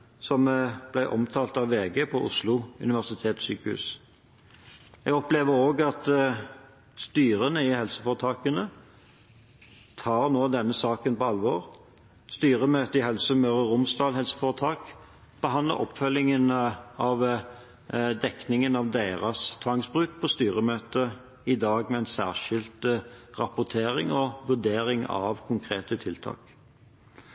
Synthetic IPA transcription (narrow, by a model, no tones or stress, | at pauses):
sɔmb̥læɪʔɔmt̪ʰɑːlt̪ɑʋːeːɡeːpʰɔʔʊ̰slʊʉ̰nɪʋæʁsɪt̪ʰeːt̪syːkəhʉ̰ːs | ɛɡɔpleːʋəɾoːɡɑt̪ | st̪yːʁənəɪhɛlsəfoːʁət̪ʰɑːkənə | t̪ʰɑːʁnoːd̪ɛnːəsɑːkənpɔɑlʋɔːʁ | st̪yːʁəmøːt̪əɪɦɛlsəmœːʁəʁʊmsd̪ɑːlhɛlsə̥foːʁət̪ʰɑːk | b̥əɦɑnd̪lə̰ʔɔ̰pfœlɪŋənɑʋ | d̪ɛknɪŋənɑʋd̪eɪʁɑst̪ʰʋɑŋsbʁʉːt̪̚pʰɔst̪yːɾəmøːt̪ə | ɪd̪ɑːɡmɛɛɪnsæ̰ːʁʂɪlt̪ʁɑpʊʁt̪ʰeːɾɪŋɔʋʉd̪eːɾɪŋɑ̰ʋkʰʊŋkʰʁeːt̪ət̪ʰɪlt̪ʰɑ̰ːk